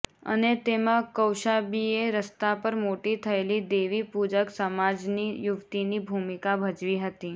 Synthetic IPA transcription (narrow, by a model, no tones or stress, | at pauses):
ə̰net̪emãkəwʃabieɾəst̪apəɾmoʈit̪ʰəelid̪eʋipud͡ʒəksəmad͡ʒnijuʋt̪inibʱumikabʱəd͡ʒʋiɦət̪i